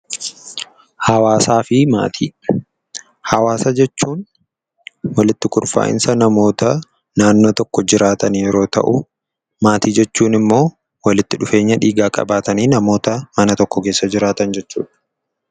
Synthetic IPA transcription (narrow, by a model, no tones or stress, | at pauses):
hɐwaːsaːfɪma̰ːt̪ʰiː | hɐwaːsɐd͡ʒɛt͡ʃːuːn | wɐlɪt̪ːɪkʊɾfa̰ːʔɪ̰nsɐnɐmo̞ːt̪ɐ | naːnːo̞ːt̪ɔkːɔd͡ʒɪɾaːt̪ɐnjɛɾo̞ːt̪ɐ̰ʔʊ | maːt̪iːd͡ʒɛt͡ʃːuːnɪmːo̞ː | wɐlɪt̪ːɪᶑʊfeːɲːɐᶑiːɡaːkʼɐ̰baːt̪ɐniːnɐmo̞ːt̪ɐmɐnɐt̪ɔkːɔke̞ːsːɐd͡ʒɪɾaːt̪ɐnd͡ʒɛt͡ʃːṵːᶑɐ̥